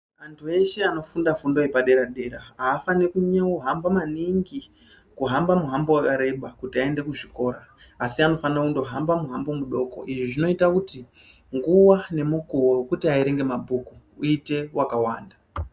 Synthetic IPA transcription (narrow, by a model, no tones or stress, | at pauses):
antʰue̞ʃe̞ano̞fundafundo̞ipaɗe̞ɾaɗe̞ɾaaːfanekuɲauɦambamaniŋɡi | kuɦambamuɦambowakaɾe̞ɓakutiae̞nde̞kuʐiko̞ːɾaːsiano̞fanakundo̞ɦambamuɦambo̞muɗo̞ko̞̰ʔiʐiʐino̞itakuti | ŋɡuwane̞mukuwokutiaiɾe̞ŋɡe̞mabʱuku | uite̞wakawa̰ːnda